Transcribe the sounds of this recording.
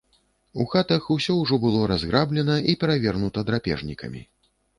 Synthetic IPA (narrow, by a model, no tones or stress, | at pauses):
uxat̪ɐxusʲɔwʐɔbɨlˠɔɾazɣɾablʲɛn̪ɐʔipʲɛɾavʲɛrnut̪ɐd̪ɾapʲɛ̰ʐnʲikɐ̰mʲḭ